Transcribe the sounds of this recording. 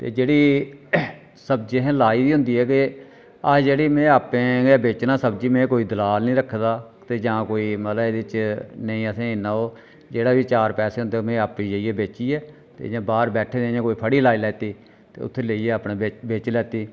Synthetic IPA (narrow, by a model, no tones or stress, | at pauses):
t̪ḛːd͡ʒeːɽiː | səb̚d͡ʒeɦːlaːiːd̪iːɦʊ̃nd̪iːɦɛːkɪ | əd͡ʒeːɽiːmẽːaːpẽːaːbeːt͡ʃnaːsəbd͡ʒiːmẽːkoːiːd̪əlaːlnĩːɾəkʰːd̪aː | t̪eːd͡ʒãːkoːiːmət̪ləbed̪eɪt͡ʃnəĩːəsẽːɪnːãːoː | d͡ʒeːɽaːʋiːt͡ʃaːɾpɛːseːɦʊnd̪eːmẽːaːpiːd͡ʒaiːɛːbeːt͡ʃiːɛː | t̪ḛːd͡ʒãːbaːɾbɛːʈʰeːd̪ẽːãːkoːiːpʰəɽiːlaːiːlɛːt̪iː | t̪ḛːʊ̰t̪ʰːeːleieːaːpnẽːbebeːt͡ʃlɛːt̪iː